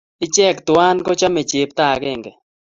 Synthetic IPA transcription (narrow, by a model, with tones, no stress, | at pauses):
ɪ˦t͡ʃɛ˦˨kt̪ʊ˨wa˦nkɔ˦t͡ʃa˦me˨t͡ʃe˨p̚t̪a˦˨ɡɛ˦˨ŋɡɛ˨